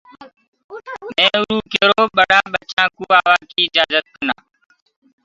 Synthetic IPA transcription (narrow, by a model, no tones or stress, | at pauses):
mẽːʊɾuːkeːɾoːɓəɗaːɓət͡ʃãːkuːaːʋaːkiːɪd͡ʒaːzət̪̚kəna̰ː